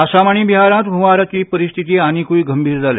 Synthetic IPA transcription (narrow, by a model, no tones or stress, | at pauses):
aɕamaɳ̃ibiɦaɾãt̪ɡʱuʋaɾat͡ɕiːpəɾist̪ʰit̪iːañikuiːɡəmbʱiːɾd͡zʱalḛ